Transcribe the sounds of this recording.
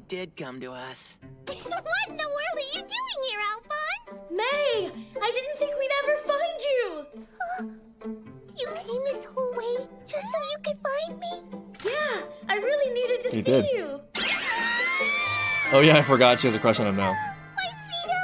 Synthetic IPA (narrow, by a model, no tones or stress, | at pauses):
d̥ɪd̚kʰʌ̃mtɨʌs | wʌɾn̩ðəwɜ˞lˠdə˞jɨdʉɪ̃ŋhə˞ælˠbɑnz̥meɪaɪdɪdⁿn̩t̪θɪ̃ŋkwinɛvə˞fãɪ̃nd͡ʒʉo | jɨkʰẽɪ̃mðɪshoʊlˠweɪ | d͡ʒʌstsoʊjɨkɨd̥fãɪ̃nmijæʔaɪɹɪlˠiniɾɨd̚tʰɨʃidɪdjʉ | oʊjæaɪfə˞ɡɑtʃiwʌzɨkʰw̥ɛst͡ʃɨ̃ñãmoʊ | aɪsiðə